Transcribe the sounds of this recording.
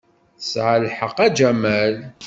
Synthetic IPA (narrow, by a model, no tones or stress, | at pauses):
sʕəlħəqæd͡ʒæmæl